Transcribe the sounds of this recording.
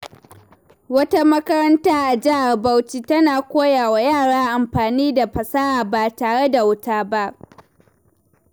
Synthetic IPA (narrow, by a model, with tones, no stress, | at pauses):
wɐ˦ta˦mɐ˦kɐ˦ɾɐ˦ntaː˦ʔa˨d͡ʒɪ˦ha˨rba˦wt͡ʃiː˦tɐ˦naː˨kʷoː˦jaː˨wa˦jaː˦˨ɽaː˦ʔa˨mɸaː˨niː˦da˨ɸɐ˨saː˦ʔaː˨ba˨taː˨ɽe˦da˨wʊ˦taː˦ba˦ʔ